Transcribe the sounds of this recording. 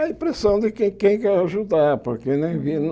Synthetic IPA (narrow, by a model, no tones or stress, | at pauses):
ɐĩpɾɨsɐ̃w̃d̪ɨkẽkẽj̃kɛɾɐʒud̪aɾpuɾkenẽj̃viɐn